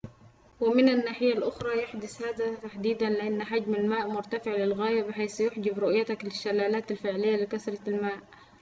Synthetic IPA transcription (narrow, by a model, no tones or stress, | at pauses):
wɪmɪnanːaːħɪjːalʔʊxɾˤɑːjaħd̪ʊshaːd̪at̪aħd̪iːd̪anlɪʔanːħad͡ʒmalmaːʔmʊɾˤt̪afɪʕlɪlɣaːjabɪħaːsjʊħd͡ʒɪbɾʊʔjat̪aklɪʃːalːaːlaːt̪alfɪʕlɪjːalɪkasɾˤɑlmaːʔ